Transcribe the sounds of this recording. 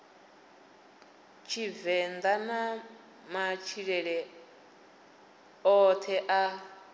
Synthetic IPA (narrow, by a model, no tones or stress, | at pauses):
t͡ʃʰivɛnd̪ana | mat͡ʃʰiɺɛɺɛ | ɔt̪ʰɛʔa